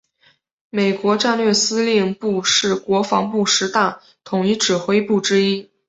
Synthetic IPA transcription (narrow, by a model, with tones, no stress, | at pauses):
me˨˩ɪkwɔ˧˥ʈ͡ʂa˥˧nlɥɛ˥˩sɹ̩˥li˥˧ŋpu˥˧ʂɻ̩˥˩kwɔ˧˥fɑ˧˥ŋpu˥˩ʂɻ̩˧˥t̪a˥˩ | t̪ʰʊ˨˩ŋi˧˥ʈ͡ʂɻ̩˨˩xwe˥ɪpu˥˩ʈ͡ʂɻ̩˥i˥